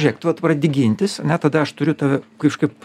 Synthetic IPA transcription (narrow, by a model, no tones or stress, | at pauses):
ʒʲeːkt̪ʋɐt̪prɐd̪ʲɪɡʲɪnʲt̪ʲɪsɐnʲɛt̪ɐd̪ɐɐʃt̪ʊɾʲʊt̪ɐʋʲɛkɐɪpʃkɐɪp